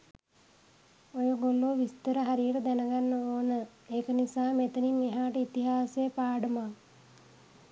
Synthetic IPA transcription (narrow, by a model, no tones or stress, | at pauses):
ojoɡoloːʋist̪əɾəɦaɾijəʈəd̪ænəɡanːəoːnəeːkənisaːmet̪əninːeɦaːʈəit̪iɦaːseːpaːɖəma